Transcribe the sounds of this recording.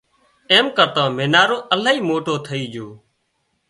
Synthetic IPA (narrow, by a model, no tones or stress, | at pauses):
eːmkəɾt̪ãːmeːnaːɾõːʔəlaːiːmoːʈoːt̪ʰəiːd͡ʒoː